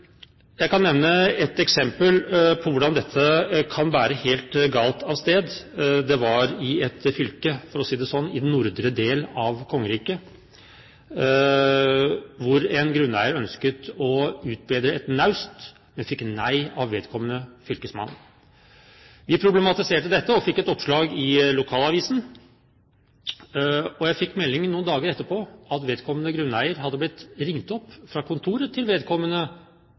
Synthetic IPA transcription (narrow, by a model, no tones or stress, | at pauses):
jæɪkʰɑnnɛʋnəɛt̪ɛksɛmpəlpʰɔʋʊɖɑnd̪ɛt̪ʰːəkʰɑnʋæːɾəheːlt̪ɡɑːlt̪ɑʋst̪eːd̪d̪ɛʋɑɾɪɛt̪fʏlkəfɔɾɔsiːd̪ɛsɔnːɪd̪nnːʊɾd̪ɾəd̪eːlɑʋkʰɔŋːəɾiːkə | ʋʊɾɛnɡɾʉnːæɪəɾœnskət̪ɔʉːt̪̚beːd̪ɾəɛt̪nɑʉst̪ | mɛnfɪkːnæɪɑʋʋeːd̪kʰɔmːənəfʏlkəsmɑ̰nː | ʋɪpʰɾʊblɛmɑt̪ɪseːʈəd̪ɛt̪ːəɔfɪkːɛt̪ɔpʂɭɑːɡɪlʊkʰɑːlɑʋiːsn̩ | ɔjæɪfɪkːmɛlːɪŋnuːnd̪ɑːɡəɾɛt̪ːəpʰoːɑt̪ʋeːd̪kʰɔmːənəɡɾʉnːæɪəɾhɑd̪ːəblɪt̪ːɾɪŋt̪ɔpːfɾɑkʰʊnt̪ʰuːɾət̪ʰɪlʋeːd̪kʰɔmːənə